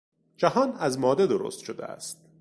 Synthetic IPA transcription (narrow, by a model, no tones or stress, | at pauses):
d͡ʒæhɒːnæzmɒːd̪ed̪oɾo̰st̪ʃod̪ḛæ̰st̪̚